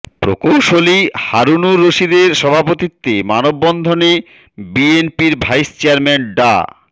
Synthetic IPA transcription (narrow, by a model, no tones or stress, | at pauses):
pɾo̰kowʃolihaɾunuɾːoʃid̪eɾʃɔbʱapot̪it̪ːemanobːɔnd̪ʱone | bienpiɾbʱajst͡ɕeaɾmenɖa̰